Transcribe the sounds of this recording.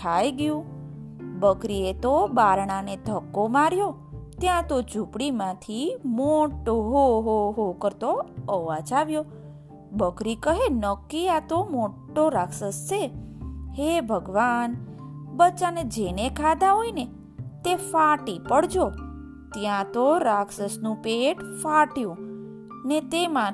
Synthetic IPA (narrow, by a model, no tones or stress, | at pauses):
k̪ʰajɡjũ | bəkɾiet̪obaɾɳ̃ãned̪ʱəkːomaɾjo | t̪jãt̪od͡ʒʱupɽimãt̪ʰimoʈoɦoɦoɦokəɾt̪oəʋat͡ʃaʋjo | bəkɾikəɦenəkːiat̪omoʈːoɾaksəst͡ʃʰehebʱəɡʋanbət͡ʃaned͡ʒenekʰad̪ãɦoine | t̪efaʈipəɽd͡ʒo | t̪jãt̪oɾaksəsnũpeʈfaʈjũ | net̪emã